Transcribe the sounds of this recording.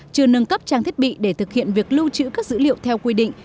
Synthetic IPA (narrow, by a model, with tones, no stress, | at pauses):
t͡ɕɨ˧ənə˧nkə˦˥p̚t͡ɕaː˧ŋt̪i˦˥t̚ɓḭ˧˨ɗe˧˩t̪ʰɨ˨˩k̚hḭ˧˨ənvi˨˩ək̚lu˧t͡ɕɨ̰˧˥kaː˦˥k̚zɨ̰˧˥lḭ˧˨əwt̪ʰɛ˧wkwi˧ɗḭ̈˧˨ŋ̟